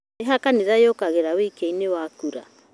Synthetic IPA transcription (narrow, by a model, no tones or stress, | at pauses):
eɦakaniɾajokaɣeɾawiikeinewakuɾa̰